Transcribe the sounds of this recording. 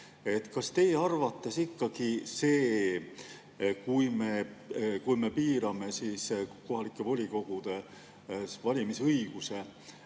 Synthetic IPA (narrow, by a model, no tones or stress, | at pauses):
e̞t̪kɑst̪e̞jeɑrvɑt̪ːˑesikːɑɡ̥ise̞ː | kujme̞kujme̞piːɾɑme̞siːsko̞ɦɑlikˑːe̞vo̞lʲiko̞ɡ̥ud̪̥e̞ | vɑlʲimisɤjɡ̥use̞